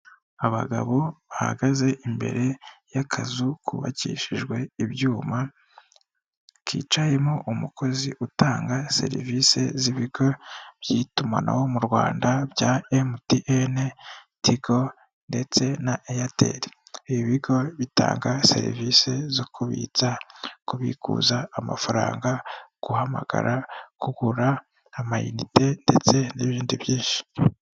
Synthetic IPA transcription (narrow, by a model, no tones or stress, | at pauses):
aβa̰ɡa̰βo̞βaha̰ɡaze̞ʔimbe̞̰ɾe̞jakʰazukʰuβa̰cḭːʃiʒɡwe̞iβjuːma | kḭːt͡ʃaje̞moʔumuko̞ziʔutaːŋɡase̞̰ɾḭvise̞ziβiɡo̞β̥jiːtuma̰na̰wo̞muɾɡwaːndabjaemutiʔene | tiɡo̞ | nde̞t͡se̞naʔejatḛɾiiiβiɡo̞βita̰ːŋɡase̞̰ɾḭvise̞zokʰuβḭt͡sakuβḭkṵːzaːma̰faɾa̰ːŋɡaɡ̥uhama̰ɡ̥a̰ɾʔakuɡuɾaː | majunite̞nde̞t͡se̞neβiːndiβjiːnʃi̥